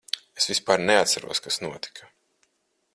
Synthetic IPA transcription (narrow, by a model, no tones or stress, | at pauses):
esvʲispaːɾneat̪saɾṵɔskasnuɔt̪i̥kʰɐ